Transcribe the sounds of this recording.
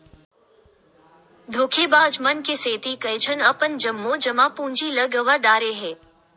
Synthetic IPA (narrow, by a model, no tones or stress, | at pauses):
d̪ʱoːkʰebaːd͡ʒmənkeseːt̪ikəjt͡ʃʰənəpənd͡ʒəmːõd͡ʒəmãpũːɲd͡ʒiləɡəʋəɾɖaːɾeɦeː